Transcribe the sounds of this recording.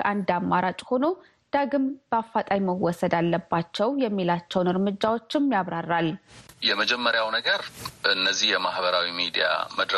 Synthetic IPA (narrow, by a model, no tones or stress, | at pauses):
ʔand̪amːaɾat͡ʃʼho̞no̞ | d̪̥aɡɨmb̥əafːat̪ʼajməwɔsəd̪alːəbːat͡ʃːɛwjɛmːilat͡ʃːɛwnɨɾmɨd͡ʒːawot͡ʃːɪmjaβɾarːaljɛməd͡ʒɛmːəɾjawnəɡəɾɨnːəzːihjɛmahbəɾawimid̪ija̰məd̪ɾə